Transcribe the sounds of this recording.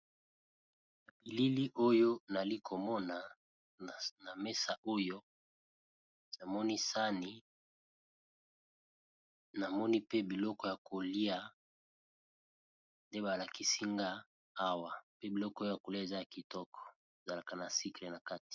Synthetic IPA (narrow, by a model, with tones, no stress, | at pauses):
na˨bi˨li˦li˦ʔo˦jo˦na˨li˦kʰo˨mɔ˦na˨ | na˨mɛ˦sa˨ʔo˦jo˦ | za˨mɔ˦ni˦sa˦ni˨ | na˨mɔ˦ni˦pe˦bi˨lɔ˦kɔ˦ja˨ko˨li˦a˨ | nde˦ba˨la˨ki˦si˦ŋɡa˦ | a˦wa˨pe˦bi˨lɔ˦kɔ˦jo˦ja˨ko˨li˦a˦˨e˨za˦ja˨ki˨tɔ˦kʰɔ̥˨ | e˨za˨la˨ka˨na˨si˦kle˨na˨ka˦ti̥˨